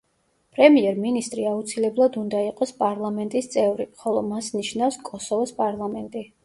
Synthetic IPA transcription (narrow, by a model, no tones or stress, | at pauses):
pʼɾɛmiɛɾminist̪ʼɾiaut̪sʰilɛblˠad̪und̪aiqʼɔspʼaɾlˠamɛnt̪ʼist̪sʼɛvɾiχɔlˠɔmasniʃnafskʼɔsɔvɔspʼaɾlˠamɛnt̪ʼi